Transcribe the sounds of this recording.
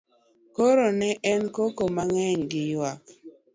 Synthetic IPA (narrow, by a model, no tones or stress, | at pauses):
koɾonɛʔɛnkokomaŋɛɲɡɪjwak̚